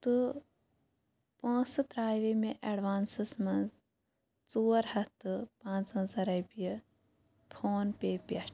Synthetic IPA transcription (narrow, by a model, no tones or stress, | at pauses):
t̪ɨ | pɐ̃ːsɨt̪ɾaːjʋemeʔeɖʋaːnsɨsmɐ̃nz | t͡suːɾhɐt̪ɨpãːnt͡sɐ̃zɐɾɐjbijɐ | pʰoːnpeːpʲɐʈ